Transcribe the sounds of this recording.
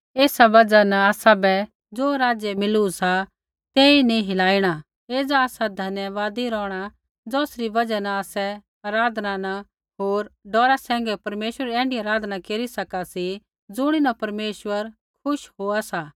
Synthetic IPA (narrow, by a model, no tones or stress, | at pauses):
eːsabɐd͡zanɐ̃aːsabɛ | d͡zoːɾaːd͡zjɛmɪlusa | t̪eːinĩɦɪlaːiɽ̃a | eːd͡zaaːsad̪ʱɐnjəʋaːd̪iɾɔːɽ̃a | d͡zɔːsɾibɐd͡zɛnaaːsɛ | ɐɾaːd̪ʱnãna | ɦoːɾɖɔːɾasɛ̃ːŋɡɛpɐɾmeːʃwɾəɾɛ̃ːɳɖiaːɾaːd̪ʱnakeːɾisɐkasi | d͡zʊɽ̃inapɐɾmeːʃwəɾ | kʰʊʃɦoːasaː